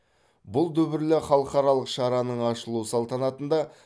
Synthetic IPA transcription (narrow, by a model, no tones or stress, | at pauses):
bʊlˠd̪ɵbɪɾlɪχɑlˠəqɑɾɑlˠəqʃɑɾɑnəɴɑʃəlˠusɑlˠt̪ɑnɑt̪ənd̪ɑ